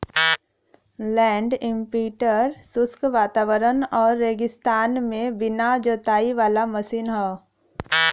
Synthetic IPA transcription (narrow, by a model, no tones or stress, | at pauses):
lɛ̃ːɳɖɪ̃mpiːʈəɾsʊskʋaːt̪aːwəɾənɔːɾːeːɡɪst̪aːnmẽbɪnad͡ʒot̪aːiʋaːlaməsiːnɦɛː